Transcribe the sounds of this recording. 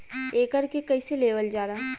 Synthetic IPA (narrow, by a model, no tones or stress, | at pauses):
eːkəɾkekɐiseleːʋəld͡ʒaːɾaː